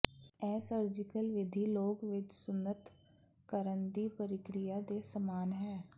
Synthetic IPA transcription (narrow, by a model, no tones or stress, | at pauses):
ɛːsəɾd͡ʒɪkəlʋɪd̪ʱiloːɡʋɪt͡ʃsʊnːət̪ | kəɾənd̪ipəɾɪkɾɪjad̪esəmaːnɦɛ̃ː